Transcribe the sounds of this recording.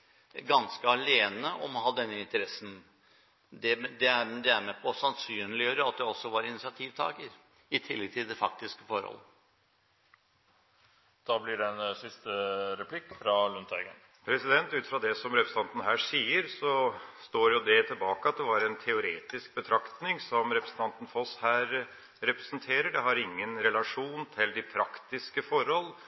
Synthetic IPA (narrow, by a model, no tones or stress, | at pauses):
ɡɑnskəɑleːnəʔɔmɔɦɑd̪ɛnːəɪnt̪əɾɛsːən̩ | d̪ɛd̪ɛæɾd̪ɛæɾmɛpʰɔsɑnsyːnlɪjøːɾəɑt̪̚d̪ɛɔsːɔʋɑɾɪnɪsɪɑt̪ʰiːʋt̪ʰɑ̰ːɡəɾ | ɪt̪ʰɪlːɛɡ̚t̪ʰɪld̪ɛfɑk̚t̪ɪskəfɔɾhɔ̰lːə | d̪̥ɑːblɪɖɛɛnsɪst̪əɾɛpʰlɪkːfɾɑlʉnt̪ʰɑ̰ɡə̰n | pʰɾɛsɪd̪ɛnt̪ʉːt̪fɾɑd̪ɛsɔmɾɛpɾəsn̩ɑnt̪ənəɦæːʂiːəɾsɔst̪oːɾjʊd̪ɛt̪ʰɪlbɑːkəɑt̪̚d̪ɛʋɑːɾɛnt̪ʰɛʊɾeːt̪ɪsk̚bət̪ʰɾɑkt̪nɪŋsɔmɾɛpɾəsn̩t̪ʰɑnt̪ən̩fɔshæːɾ | ɾɛpɾɛsnt̪ʰeːɾəɖɛɦɑɾɪŋːənɾɛlɑʂuːnt̪ʰɪld̪ɪpʰɾɑkt̪ɪskəfɔɾhɔlː